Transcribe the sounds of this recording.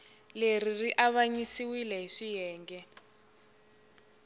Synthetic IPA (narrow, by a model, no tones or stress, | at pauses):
leririʔaβaɲisiwilɛɦiʂijɛːŋɡɛ